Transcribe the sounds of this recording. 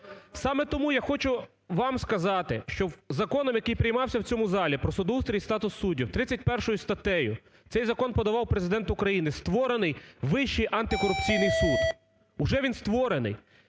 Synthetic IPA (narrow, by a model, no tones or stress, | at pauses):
sɑmɛt̪ɔmujaxɔt͡ʃʊ | ʋɑmskɐzɑt̪ɪʃt͡ʃɔzɐkɔnɔmjɐkɪjpɾʲɪjmɑwsʲɐwt͡sʲɔmʊzɑlʲipɾɔsʊd̪ust̪ɾʲijst̪ɑt̪ʊsːudʲːiwt̪ɾɪt͡sʲːɐtʲpɛrʃɔjʊst̪ɐt̪ɛjʊ | t̪sɛjzɐkɔnpɔd̪ɐʋɑwpɾezɪd̪ɛnt̪ʊkɾɐjinɪst̪ʋɔɾenɪjʋɪʃt͡ʃijʔɐnt̪ɪkɔɾʊp̚t͡sʲijnɪjsud̪ | ʊʒɛʋʲinst̪ʋɔɾenɪ̰j